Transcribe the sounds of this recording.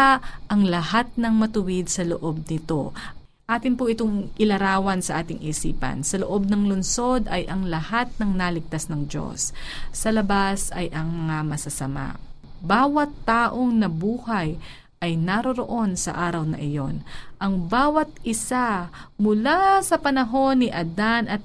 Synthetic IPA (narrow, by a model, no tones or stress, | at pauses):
ʔɐŋlɐhat̪̚nɐŋmɐt̪ʊwɪd̪̚sɐloʔo̞b̚nɪt̪o̞ | ʔaːt̪ɪnpʊʔɪt̪oŋʔɪlɐɾaːwɐnsɐʔaːt̪ɪŋʔiːsḭːpɐ̰nsɐloʔo̞b̚nɐŋlonso̞d̪ɐjʔɐŋlɐhat̪̚nɐŋnalɪɡ̚t̪asnɐŋd͡ʒo̞̰sːɐlɐbasɐjʔɐŋmɐŋamɐsɐsɐma̰ | baːwɐt̪ːaːʔo̞ŋnɐbuːhɐj | ʔɐjnɐɾoɾoʔo̞nsɐ̰ʔaːɾɐwnɐ̰ʔɪjo̞nʔɐŋbaːwɐt̪̚ʔɪsamʊlasɐpɐnɐɦo̞nːɪʔɐd̪anɐt̪̚